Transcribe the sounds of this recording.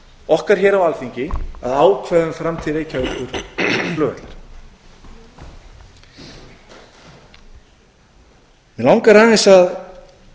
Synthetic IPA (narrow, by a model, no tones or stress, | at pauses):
ɔhkaɾ̥çɛːɾawalfiɲcɪaðaːwkʰvɛðʏmfɾamt̪ʰiðejcʰavʏkʏɾ̥plœːvɛt̪laɾ̥ | mɛlawŋkaraːɪnsað